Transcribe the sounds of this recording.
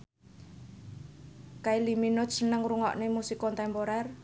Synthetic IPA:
kailiminʊsənəŋruŋɔ̰ʔnemusikɔnt̪ɛmpoɾɛr

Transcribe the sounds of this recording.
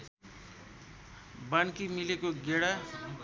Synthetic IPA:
bənkimilekoɡeɽa

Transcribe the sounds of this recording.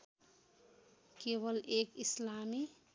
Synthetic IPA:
kewəlekislami

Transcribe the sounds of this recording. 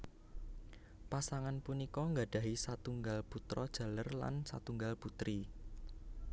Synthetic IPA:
pasaŋanpunikɔŋɡaɖ̥ä̤ɦisat̪uŋɡalput̪ɾɔd̥ʒ̥ä̤lərla̰nsa̰t̪uŋɡalput̪ɾi

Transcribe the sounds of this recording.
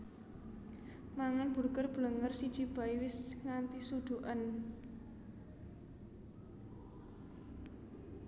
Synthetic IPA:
maŋanb̥ṳrkərb̥ələŋərsid̥ʒ̥i̤b̥a̤iwɪsŋant̪isud̪̥ṳʔan

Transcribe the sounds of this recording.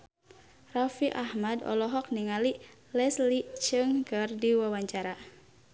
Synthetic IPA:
rafiʔahmadɔ̰lɔɦɔk̚niŋali | lɛslit͡ʃɨŋkɨrdiwawaɲt͡ʃaɾa

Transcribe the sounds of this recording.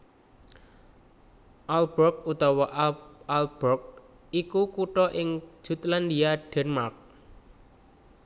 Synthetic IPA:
ʔalb̥ɔk̚ut̪ɔwaʔalb̥ɔk̚ | ikukuʈɔʔɪŋ̥ʒ̥ṳt̪land̪iaɖ̥ɛnmark̚

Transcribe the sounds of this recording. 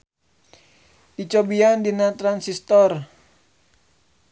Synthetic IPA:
it͡ʃɔbiandinat̪ɾansist̪ɔr

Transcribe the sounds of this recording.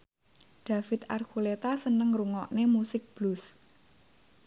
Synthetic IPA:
ɖ̪̥a̤fɪt̪a̰rkulet̪asənəŋruŋɔʔnemusɪk̚b̥lus

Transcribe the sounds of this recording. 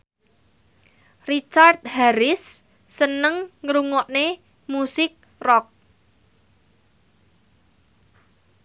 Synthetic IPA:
rit͡ʃart̪̚haɾɪsː | ənəŋːɾuŋɔʔne | musɪk̚ | rɔk̚

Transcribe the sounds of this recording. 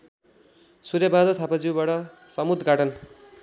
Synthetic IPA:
suɾjabad̪ʌt̪ʰapad͡ziwbaʈʌsʌmud̪ʱɡaʈʌn

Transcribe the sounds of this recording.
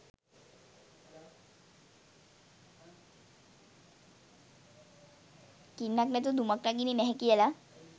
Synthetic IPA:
kinːaknɛt̪ud̪umakɾaɡininɛɦɛ̃kiɛla

